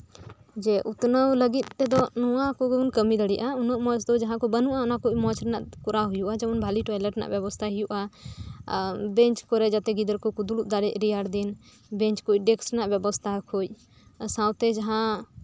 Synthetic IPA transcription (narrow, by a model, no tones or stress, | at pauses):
d͡ʒɛʔut̪nəwləɡit̪̚ˀːɛd̪ɔnuwãkɔɡɛunkəmid̪əɽɛʔaunɔʔmɔt͡ʃd̪ɔd͡ʒaɦãkɔbənuʔaunakuʔʔmɔ̃t͡ʃɾɛnaʔpuɾaɦujuʔad͡ʒɛunbʱaliʈɔjləʈɛna̰ʔbjɛbɔst̪ʰaɦijuʔa | bɛ̃ɲt͡ʃkɔɾɛd͡ʒat̪ɛɡid̪əɾkɔkud̪uluʔd̪aɽɛʔɾijaɾd̪in | bɛ̃ɲt͡ʃkuc̚ɖɛksɾɛnaʔbɛbɔst̪ʰakʰut͡ʃ̚ | sãwt̪ɛd͡ʒaɦã